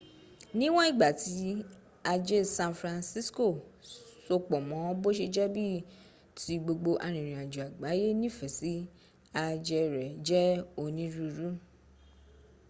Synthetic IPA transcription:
nĩ˦w̃ɔ̃˦i˦˨ɡ͡ba˨ti˨˦ | a˧d͡ʒe˦˨sã˧nfɾã˧nsi˦sko˦˨so˧k͡pɔ˨mɔ̃˨˦bo˦ʃe˧d͡ʒɛ˦bi˦˨ | ti˧˦ɡ͡bo˧ɡ͡bo˧ʔa˧ɾ̃ĩ˨ɾ̃ĩ˨a˨d͡ʒu˨a˨ɡ͡ba˨˦je˦nĩ˦˨fɛ˨si˨˦ | a˧d͡ʒɛ˧ɾɛ˨d͡ʒɛ˦o˧˨nĩ˨˦ɾu˦ɾu˦

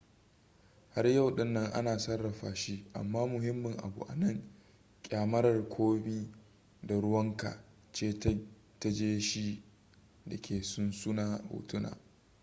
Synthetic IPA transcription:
ha˦rjɐ˦˨wɗɪ˦nːɐ˦ŋʔa̰˦naː˨sɐ˦rːɐ˨ɸaː˨ʃi˦ʔa̰˨mːaː˦mʊ˨ɦɪ˦mːɪ˨ŋʔa̰˨bṵ˨ʔa̰˨nɐ˦˨ŋ | kʲʼaː˨mɐ˦ɾɐ˨rkʷʰoː˦biː˦ | da˨ɽʊ˦wɐ˦ŋka̰˨ | t͡ʃeː˦ | ta˦d͡ʒeː˦ʃi˦ | dɐ˨kʲeː˨sʊ˦nsʊ˦naː˦˨hṵː˨tʊ˦na̰ː˨

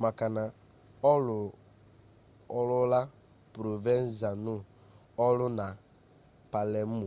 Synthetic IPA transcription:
ma˨ka˨na˨ | ɔ˦lʊ˨ | ɔ˦lʊ˦la˦ | pɾo˨ve˦n˦za˨nu˦ | ɔ˦lʊ˦na˨ | pa˨lɛ˨m̩˦u˨

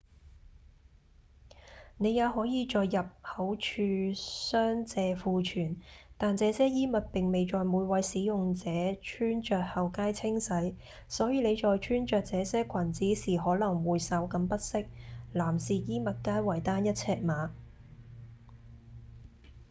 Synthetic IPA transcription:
ne˨˧jaː˨˧wɦɔː˨˥jiː˨˧t͡ʃɔː˨jːɐ˨p̚hɐ˨˥wt͡ʃʰyː˧sœː˥ŋt͡sɛː˨˧fuː˨˧t͡ʃʰyː˨˩nt̪aː˨nt͡sɛː˨˧sɛː˥jiː˥mɐ˨t̚pɪ˨ŋme˨jt͡ʃɔː˨jmuː˨˧jwɐ˨˥jsiː˨˥jʊ˨ŋt͡sɛː˨˥t͡ʃʰyː˥nt͡ʃœː˨k̚hɐ˨wkaː˥jt͡sʰɪ˥ŋsɐ˨˥j | sɔː˨˥jiː˨˧le˨˧jt͡ʃɔː˨jt͡ʃʰyː˥nt͡ʃœː˨k̚t͡sɛː˨˧sɛː˥kʰɐ˨˩nt͡siː˨˥siː˨˩ɦɔː˨˥lɐ˨˩ŋwuː˨jsɐ˨˥wkɐ˧˥mpɐ˥t̚sɪ˥k̚laː˨˩msiː˨jiː˥mɐ˨t̚kaː˥jwɐ˨˩jt̪aː˥njɐ˥t̚t͡sʰɛː˧k̚maː˨˧

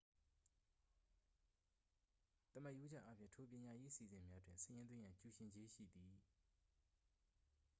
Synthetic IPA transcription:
t̪ə˨ma˦ʔju˦d͡ʑɛ̰˦ʔa˦pʰjɪ̰̃˦˨tʰo˨pjɪ̃˨ɲa˨je˦ʔəsḭ˨zɪ̃˨mja˦dwɪ̰̃˨nsəjɪ̃˦nd̪wɪ̃˦jã˨t͡ɕu˨ʃɪ̃˨ɲd͡ʑe˦ʃḭ˦˨d̪i˨

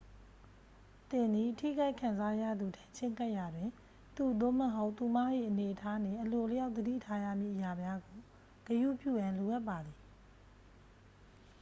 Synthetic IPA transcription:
t̪ɪ̃˨nd̪i˨tʰḭ˦˨ɡa˦ɪʔkʰã˨nza˦ja̰˦˨d̪u˨tʰɛ̃˦t͡ɕʰɪ̃˦˨ŋka˦ʔja˨dwɪ̃˨ | t̪u˨d̪o̰˦˨məɦo˦ʊʔt̪u˨ma˦ʔḭ˦˨ʔəne˨ʔətʰa˦nɪ̃˨ʔəlo˨lə˦ja˦ʊtd̪ədḭ˦˨tʰa˦ja̰˦˨mjḭ˦˨ʔəja˨mja˦ɡo˨ | ɡ̥əjṵ˦˨pjṵ˦˨jã˨nlo˨ʔa˦pːa˨d̪ði˨

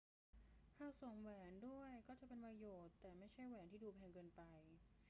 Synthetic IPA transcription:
hʰaː˧˥˩wso˨˩˦ŋwɛː˩˦ndu˥˩əjkɔː˥˩t͡ɕa˨˩ʔpe˧npɾa˧joː˨˩t̪ːɛː˨˩ma˥˩jt͡ɕʰa˥˩jwɛː˩˦nt̪iː˥˩duː˧pʰɛː˧ŋkɤː˧npa˧j

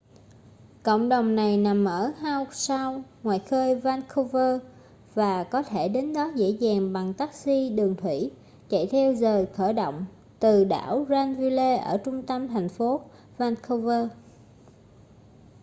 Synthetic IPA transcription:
kə̰˧˨wŋ͡mɗə˨˩wŋ͡mna˨˩jna˨˩mːəː˧˩haː˧wsa˧wŋwaː˨jxəː˧jvaː˧nkʰo˧vəː˧ | vaː˨˩kɔ˨˦t̪ʰe˧˩ɗe˨˦nɗɔ˨˦zḛ˧˥zaː˨˩ŋɓa˨˩ŋt̪aː˦˥k̚si˧ɗɨ˨˩əŋt̪ʰwi˧˩ | t͡ɕa̰˧˨jt̪ʰɛ˧wzəː˨˩jt̪ʰəː˧˩ɗo̰˧˨wŋ͡m | t̪ɨ˨˩ɗa̰ː˧˩wzaː˧nvi˧le˧ʔəː˧˩t͡ɕʊ˧ŋ͡mt̪ə˧mt̪ʰa˨˩jŋ̟fo˨˦ | vaː˧nkʰo˧vəː˧

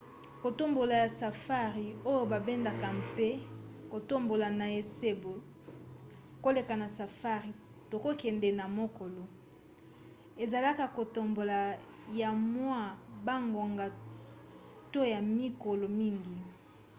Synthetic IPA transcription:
ko˨to˦mbo˨la˨ja˨sa˨fa˦ʁi˨o˦jo˦ba˨bɛ˦nda˨ka˨mpe˦ko˨to˦mbo˨la˨na˨e˨se˦bo˨ | ko˦le˨ka˨na˨sa˨fa˦ʁi˨ | to˨ko˦kɛ˨nde˨na˨mo˦ko˨lo˨ | e˨za˨la˦ka˨ko˨to˨mbo˨la˨ | ja˨mwa˦ba˦ŋɡo˨ŋɡa˨ | to˦ja˨mi˦ko˨lo˨mi˦ŋɡi˨

